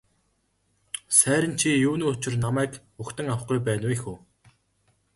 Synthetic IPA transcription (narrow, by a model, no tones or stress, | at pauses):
sæːɾʲɪ̆nt͡ɕʰijuːniːʊt͡ɕɪ̆rnamæːk | uxt̪ə̆ŋaw̆χɡujpæːnwexuː